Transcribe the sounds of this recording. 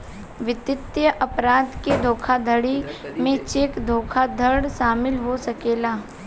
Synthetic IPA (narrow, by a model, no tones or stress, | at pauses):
ʋɪt̪ɪt̪jəʔɐpɾaːd̪ked̪ʱoːkʰad̪ʱəɽimẽt͡ʃekd̪ʱoːkʰad̪ʱəɽʃaːmɪlɦosɐkeːlaː